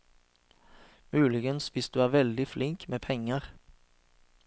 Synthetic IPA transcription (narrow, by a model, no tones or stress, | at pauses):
mʉːlɪɡənsʋɪsd̪ʉːæːʁʋɛld̪ɪflɪŋkmeːpʰɛŋːəʁ